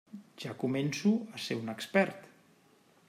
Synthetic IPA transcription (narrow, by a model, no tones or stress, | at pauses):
ʒ̥akumensuəseunəkspɛɾt̪